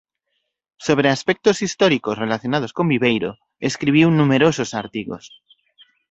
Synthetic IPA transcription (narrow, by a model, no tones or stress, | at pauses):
soβ̞ɾeaspek̚t̪osist̪oɾikosrelaθjonað̞oskombiβejɾo | eskɾiβ̞iwnumeɾososaɾt̪iɣo̰s